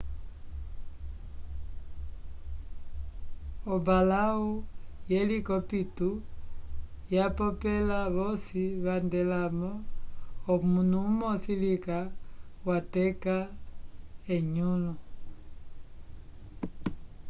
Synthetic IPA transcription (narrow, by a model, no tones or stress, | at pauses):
ɔbalaujɛlikɔpitu | japɔpɛlaβɔsiβandɛlamɔː | munumɔsilikawatɛka | ɛɲulu